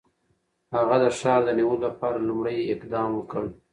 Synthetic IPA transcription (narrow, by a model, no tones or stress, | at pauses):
haɣad̪əʃɑd̪əniwəlolapɑɾalumɽajɪqd̪ɑmwəkəɽ